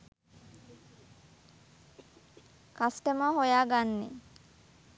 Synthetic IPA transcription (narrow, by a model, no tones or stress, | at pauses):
kasʈəməɦojaːɡanːḛ